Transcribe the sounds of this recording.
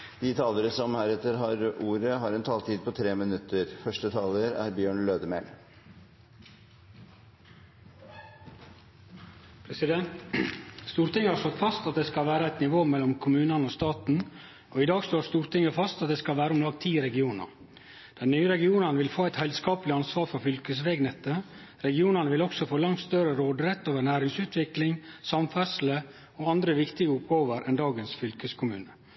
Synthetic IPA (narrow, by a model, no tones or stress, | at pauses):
d̪̥ɪt̪ʰɑːləɾəsɔmhæːɾɛt̪ːəɾɦɑɾuːɾəɦɑɾɛnt̪ʰɑːlt̪ʰiːd̪̚pʰɔt̪ʰɾeːmɪnʉt̪ːəɾfœʂʈət̪ʰɑːləɾæ̰ɾbjøːɳløːd̪əmɛl | pʰɾɛsɪd̪ɛnt̪st̪uːɾt̪ɪŋːəhɑʂsɔt̪fɑst̪ɑt̪̚d̪eːskɑlʋæːɾəæɪt̪nɪʋoːmɛlːɔmkʰʊmʉːnɑnəɔːst̪ɑːt̪n̩ | ɔɪd̪ɑːɡst̪oːst̪uːɾt̪ʰɪŋːəfɑst̪ɑt̪̚d̪ɛːskɑlʋæːɾəɔmlɑːɡ̚t̪ʰiːɾɛɡɪuːnə̰ɾ | d̪̥ɛnnyːəɾɛɡɪuːnənəʋɪlfoːæɪt̪hɛld̪skɑːpəlɪɑnsʋɑːɾfɾɔfʏlkəs̬ʋɛːɡnɛt̪ːə | ɾɛɡɪuːnənəʋɪlɔksɔfoːlɑŋt̪st̪œɾəɾoːd̪ɾɛt̪ːoːʋəɳæːɾɪŋsʉːt̪ʰʋɪklɪŋsɑmfæsl̩ə | ɔɑnd̪ɾəʋɪkt̪ɪɡəʊp̚ɡɑoːʋəɾʔɛnd̪ɑːɡənsfʏlkəskʰʊmʉ̰ːnə